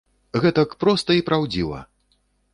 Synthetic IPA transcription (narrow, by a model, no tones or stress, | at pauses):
ɣɛt̪ɐkpɾɔst̪ɐipɾawd͡zʲivˠɐ̰